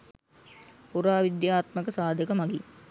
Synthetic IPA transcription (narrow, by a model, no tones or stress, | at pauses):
puɾaːʋid̪jaːt̪məkəsaːd̪əkəmaɡi